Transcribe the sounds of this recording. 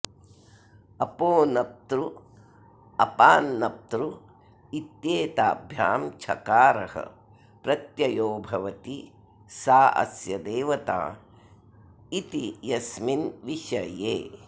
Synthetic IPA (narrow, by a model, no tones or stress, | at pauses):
ɐpoːnɐp̚t̪ɾu | ɐpaːnːɐp̚t̪ɾu | it̪jeːt̪aːbʱjaːmt͡ʃʰɐ̰kaːɾɐhɐ̰ | pɾɐt̪jɐjoːbʱɐʋɐt̪i | saːʔɐ̰sjɐd̪eːʋɐt̪a̰ː | it̪ijɐsminʋiʃɐjeː